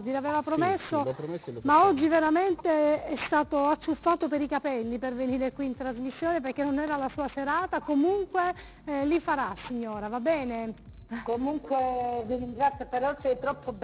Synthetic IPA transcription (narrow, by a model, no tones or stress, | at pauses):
d̪ilavɛːvapɾomesːomaɔd͡ʒːiveɾament̪eɛst̪aːt̪oat͡ʃːufːaːt̪opeɾikapɛlːiperveniːɾekwiːnt̪ɾazmisːjoːneperkenːonɛːɾalasuːaseɾaːt̪akomuŋkwe | lifaɾasiɲːoːɾavabːɛːne | komuŋkweviɾiŋɡɾat̪sːjopeɾɔsɛjt̪ɾɔpːob